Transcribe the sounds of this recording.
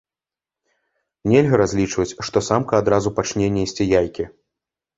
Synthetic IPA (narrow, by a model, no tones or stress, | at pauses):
nʲɛlʲɣɐɾazʲlʲit͡ʂvɐt͡sʲʂt̪ɔsamkɐad̪ɾazupat͡ʂnʲɛnʲːɛsʲt͡sʲijajkʲi